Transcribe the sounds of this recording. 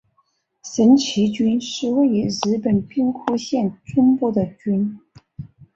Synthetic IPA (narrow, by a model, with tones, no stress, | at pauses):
ʂə˧˥nt͡ɕʰi˧˥t͡ɕy˥nʂɻ̩˥˧we˥˩ɪy˧˥ɻ̩˧˥pə˨˩npi˥ŋkʰu˥ɕjɛ˥˩nʈ͡ʂʊ˥ŋpu˥˩d̪ə˩t͡ɕy˥n